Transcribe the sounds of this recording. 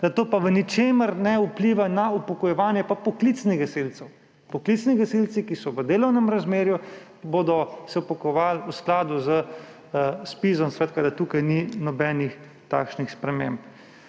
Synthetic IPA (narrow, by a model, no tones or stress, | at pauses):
zat̪oːpaʋənit͡ʃeːməɾnɛupliʋanaupɔkɔjɛʋaːnjɛpapɔklit̪sniɣɛselt̪sɛw | pɔklit̪sniɡɛselt̪sikisɔʋəd̪eːlɔwnɛmɾazmeːɾju | boːd̪ɔsɛwpakɔʋaːlusklaːd̪uzə | spizɔmsʋɛːt̪kad̪at̪uːkajninɔbɛnix | t̪a̰ːkʃnixspɾɛmẽmp